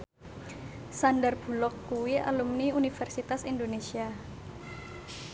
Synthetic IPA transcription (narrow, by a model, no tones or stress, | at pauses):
sandarb̥ṳlɔkːuwia̰lumniunifɛrsit̪asindonesia